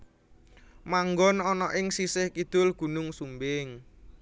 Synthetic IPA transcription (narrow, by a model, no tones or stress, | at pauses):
maŋɡɔnɔnɔʔɪŋsisɪhkid̪̥ʊ̤lɡ̥ṳnʊŋsumbɪŋ